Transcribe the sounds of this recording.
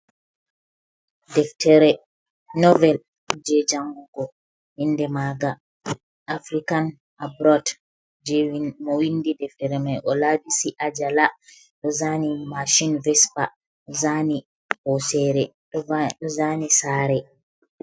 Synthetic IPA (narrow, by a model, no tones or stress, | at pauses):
dɛftʰɛɾɛ | nɔvɛl | d͡ʒɛd͡ʒaŋɡɡɔ | hindɛmaɡa | ʔafɾikan | ʔabɾɔt | d͡ʒmɔwindidɛftɛɾɛmajʔɔladisiʔad͡ʒala | ɗɔzanimaʃinvɛspa | ɗɔzani | hɔsɛɾɛɗɔɗɔzanisaːɾɛ